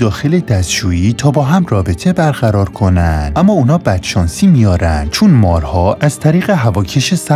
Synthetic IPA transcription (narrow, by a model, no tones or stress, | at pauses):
d̪ɒːxe̞le̞d̪æst̪t͡ʃuːiːt̪ʰɒːbɒːɦæmrɒːbe̞t̪ʰe̞bæɾɣæɾɒːɾkʰo̞nænd̪̥ʔæmːɒːuːnɒːbæd̪̥ʃɒːnsiːmijɒːɾæ̰nd̪̥̚t͡ʃʰonmɒːɾhɒːʔæz̥t̪ʰæɾiːɣeɦævɒːcʰeʃesæ